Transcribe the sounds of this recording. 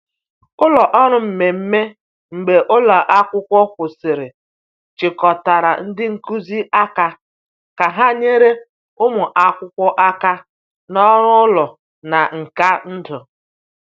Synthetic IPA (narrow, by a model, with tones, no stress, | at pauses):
ʊ˦lɔ˨ʔɔ˦ɾʊ˨m̩˨me˨m̩˦me˦ | ŋ͡m̩˨ɡ͡be˨ʔʊ˦la˨ʔa˦kʷʊ˦kʷɔ˦kʷʊ˨sɪ˨ɾɪ˨ | t͡ʃɪ˨kɔ˨ta˨ɾa̰˨n̩˦dɪ˦ŋ̩˨ku˦zi˦ʔa˦ka˨ | ka˨ɦa˦ɲe˦ɾe˦ | ʊ˦mʊ˨ʔa˦kʷʊ˦kʷɔ˦ʔa˦ka˦ | nɔ˦ɾʊ˦lɔ˨ | na˨ŋ̩˨ka˦n̩˦dʊ˨